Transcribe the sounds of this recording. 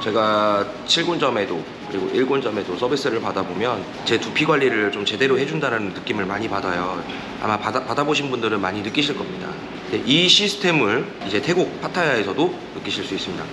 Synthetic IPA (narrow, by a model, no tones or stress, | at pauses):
t͡ɕe̞ɡa | t͡ɕʰiɭɡond͡ʑʌme̞do | kɯɾiɡo̰ʔiɭɡond͡ʑʌme̞dosʰʌbis͈ɯɾɯɭpadabomjʌn | t͡ɕe̞tupʰiɡwaʎːiɾɯɭt͡ɕomt͡ɕe̞de̞ɾoɦe̞d͡ʑundaɾanɯnːɯk͈imɯɭmaɲipadajo | a̰mapapadaboɕ̬ʰinbundɯɾɯnmaɲinɯk͈iɕʰiɭk͈ʌmɲida̰ | ndeʔiɕʰisʰɯ̥tʰe̞mɯɭ | id͡ʑe̞tʰe̞ɡok̚pʰatʰajae̞sʰʌdo | nɯk͈iɕʰiɭs͈uis͈ɯmɲida